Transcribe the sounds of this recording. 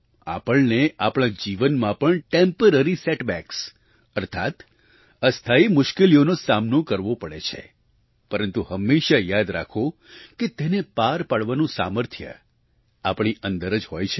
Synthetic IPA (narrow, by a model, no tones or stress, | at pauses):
a̰pəɭneapɽ̃ãd͡ʒiʋənmãpəɳʈempəɾəɾiseʈbɛks | əɾt̪ʰat̪ | əst̪ʰaimʊʃkelionosamnokəɾʋopəɭḛt͡ʃʰḛ | pəɾənt̪uɦəmːeʃajad̪ɾa̰kʰo | ket̪enepaɾpaɽʋanũsa̰məɾt̪ʰjə̰ | apɳ̃iʔə̃nd̪əɾəd͡ʒɦojt͡ʃʰe